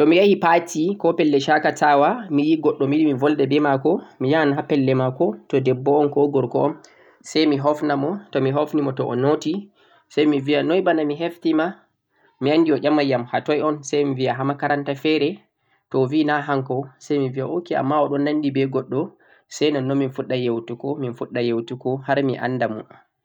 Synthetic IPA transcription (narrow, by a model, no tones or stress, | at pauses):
tɔmijahipatikɔpɛlːɛʃakatʰawamijiɡɔɗːɔmiɗimivɔldɛbɛmakɔmijanɦapɛlːɛmakɔtɔdɛbːɔːnkɔɡɔɾkɔɔn | sajmiɦɔfnamɔtɔmiɦofnimɔtɔʔɔ̰noti | sajmivianɔjbanamiɦeftima | miandiɔʔʲamːajamhatɔjɔnsajmiviaɦamakaɾantafɛɾɛ | tɔvinaɦaŋkɔsajmiviaʔokia̰mːaɔɗɔnːanːdibɛɡɔɗːɔ | sɛjnɔnːɔminfuɗːajewtukɔminfuɗːajewtukɔhaɾmiʔa̰ndamɔ̰